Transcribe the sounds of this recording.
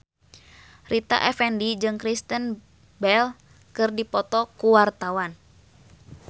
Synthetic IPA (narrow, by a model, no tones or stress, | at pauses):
rʔit̪a̰ʔɛfɛndid͡ʒɨŋkɾist̪ən | bɛl | kɨrdipɔt̪ɔkuwart̪awan